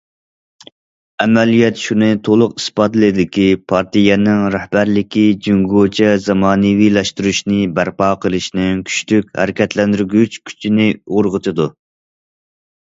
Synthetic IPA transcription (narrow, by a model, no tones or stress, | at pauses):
ɛmɛlijɛt̪ʃunɨt̪ʰolˠʊqi̥spɑd̪lɨd̪ɪkʲipʰɑɾt̪ʰijɛnɪŋɾæhbæɾlɪkʲid͡ʒyŋɡot͡ʃʰɛzɑmɑːnɨwilɛʃt̪uɾuʃnɪbæɾpɑːqʰəlˠɨʃnɪŋkʲʰy̥ʃt̪ykʲhæ̰ɾɪkʲɛt̪ʰlɛnd̪yɾɡʲyt͡ʃkʲʰy̥t͡ʃʰinɪoɾʁət̪ʰɨd̪u